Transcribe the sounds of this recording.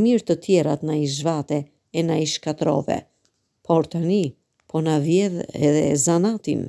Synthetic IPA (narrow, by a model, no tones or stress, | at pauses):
miɾt̪ət̪ʰjɛɾat̪naiʒvat̪ɛ | ɛnaiʃkat̪ɾɔ̰vɛ̰ | pʰɔɾt̪ani | pɔnavjɛðɛ̰ðɛ̰zanat̪ḭn